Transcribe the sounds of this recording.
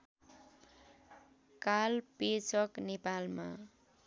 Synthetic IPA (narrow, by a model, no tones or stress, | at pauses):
kalpet͡sʌknepalma̰